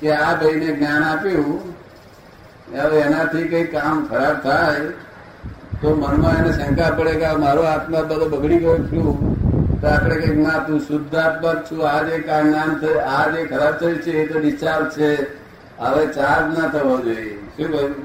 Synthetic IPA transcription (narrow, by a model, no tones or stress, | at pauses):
keabʱəineɡnjanapjũ | əʋeɛnat̪ʰikəikːamkʰəɾab̚t̪ʰaj | t̪omənmãenesə̃ŋkapəɽeɡamaɾuat̪nabəlobəɡɽikəjũt͡ʃʰũt̪oapɽ̃ekəiknãt̪ũsʊd̪ʱːat̪̚bək̚t͡ʃʰũad͡ʒekamd̪ant̪ʰəad͡ʒekʰəɾab̚t̪ʰəjit͡ʃʰeːt̪oʋiʃaɾt͡ʃʰe | əʋet͡ʃaɾnat̪ʰəʋad͡ʒojeʃũkə